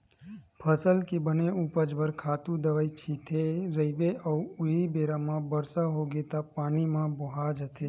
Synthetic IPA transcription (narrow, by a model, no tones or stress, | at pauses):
pʰəsəlkebəneupəd͡ʒbəɾkʰat̪ũd̪əʋait͡ʃʰit̪ʰeɾəibeʔəuuɦibeɾamãbəɾsaɦoɡet̪apanimãboɦad͡ʒət̪ʰe